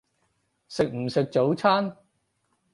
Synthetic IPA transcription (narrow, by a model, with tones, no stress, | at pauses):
sɪ˨k̚m̩˨˩sɪ˨k̚t͡so˨˥wt͡sʰaː˥n